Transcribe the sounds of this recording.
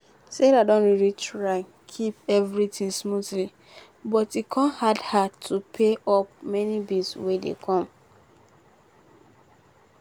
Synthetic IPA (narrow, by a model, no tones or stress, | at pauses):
seɾadɔ̃ntɹilitɹaɪ | kʰipɛvɹitĩŋsmuθli | bɔtikʰɔ̃nhadhatʰupʰeɔp̚mɛnibiswedḛkʰɔ̃m